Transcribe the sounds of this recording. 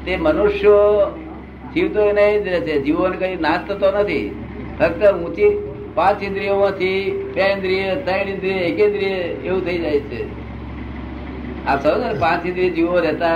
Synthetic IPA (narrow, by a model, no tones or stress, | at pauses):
t̪emənuʃjo | d͡ʒiʋt̪oeneed͡ʒɾɛt͡ʃʰed͡ʒiʋonekəinast̪ʰət̪onət̪ʰḭ | pʰəkt̪əũt͡ʃi | pãt͡ʃĩnd̪ɾijomãt̪ʰipẽnd̪ɾijesə̃inĩnd̪ɾieekẽnd̪ɾijeeʋũt̪ʰəid͡ʒajt͡ʃʰḛ | asəd͡ʒəɾpãt͡ʃĩnd̪ɾied͡ʒiʋoɾɛt̪a